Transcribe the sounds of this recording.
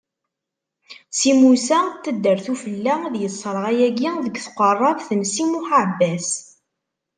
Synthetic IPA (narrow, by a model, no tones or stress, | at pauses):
simusæt̪ːəd̪ːəɾθufəlːæðjəsˤːɾˤʁæjæɡiðəɡθəqərˤːɑvθənsimuħabːæs